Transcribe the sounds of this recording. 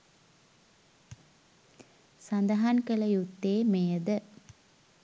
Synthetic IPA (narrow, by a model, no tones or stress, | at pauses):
sɐnd̪ɐɦankəlɐjut̪ːeːmejəd̪ə